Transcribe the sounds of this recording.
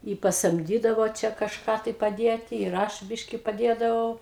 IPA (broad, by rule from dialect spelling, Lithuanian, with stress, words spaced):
ɪ pɐsɐmʲˈdʲiːdɐʋoː ˈt͡ʃʲɛ kɐʃˈkɑː tɐɪ pɐˈdʲeːtʲɪ ɪr ˈɐʃ ˈbʲɪʃʲkʲɪ pɐˈdʲeːdɐʋɐʊ